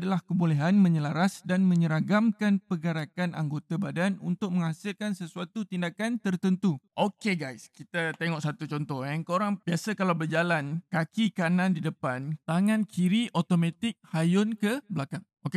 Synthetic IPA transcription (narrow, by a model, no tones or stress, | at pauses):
dalahkəbulɛɦanmə̃ɲəlaɾasdanmə̃ɲəɾaɡamkanpəɡaɾakanʔa̰ŋɡot̪abadanunt̪ʊk̚məŋasɪlkansəsuat̪ut̪indakant̪ərt̪ənt̪uʔokeɡajskit̪at̪eŋɔʔsat̪ut͡ʃɔnt̪ɔhɛŋkoɾaŋb̥iasakalawbərd͡ʒalankakikanãndidəpant̪aŋãnkʰiɾiot̪omat̪ɪk̚hajʊnkəblakaŋʔoke